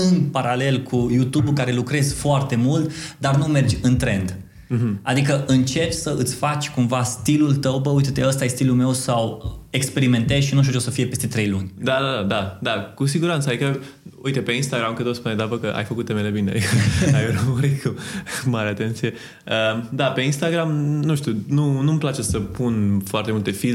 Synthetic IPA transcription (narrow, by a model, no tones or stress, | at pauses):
ɨnpaɾale̞lkʰujut̪ubulkaɾe̞lukɾe̞zfoart̪e̞mult̪d̪arnume̞rd͡ʒʲɨnt̪ɾe̞nd̪ | ɦa̰d̪ikəʔɨnt͡ʃe̞pʲsəɨt̪sʲfat͡ʃʲkumvast̪ilult̪əwbəujt̪ət̪eəst̪ajest̪ilulme̞wsawe̞kspe̞ɾime̞nt̪ezʃinuʃ̬t̬̪ʲut͡ʃosəfiepe̞st̪e̞t̪ɾe̞jlunʲd̪ad̪ad̪ad̪ad̪akus̬iɡuɾant̪səaikə | ṵit̪epe̞inst̪aɡɾamkət̪ospuned̪avəkəʔa̰jfəkut̪ːemelebinea̰ikəajɾəmuɾit̪kumaɾeat̪e̞nt̪sije̞ | əd̪ape̞inst̪aɡɾamnuʃt̪ʲjununumplat͡ʃe̞səpunfoart̪e̞mult̪e̞fil